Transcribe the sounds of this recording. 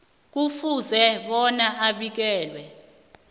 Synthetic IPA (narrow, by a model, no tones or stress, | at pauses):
k̬ufuzɛɓɔnaʔaɓik̬ɛːlwɛ